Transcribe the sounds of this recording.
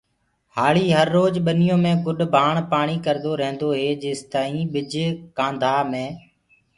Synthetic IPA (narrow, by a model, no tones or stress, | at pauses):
haːɭiːɦəɾːoːd͡ʒɓənɪjõːmẽːɡʊɗbʱaːɳpaːɳ̃iːkəɾd̪oːɾəɦə̃nd̪oːɦeːd͡ʒeːst̪aːĩːɓɪd͡ʒkãːnd̪ʱaːmẽː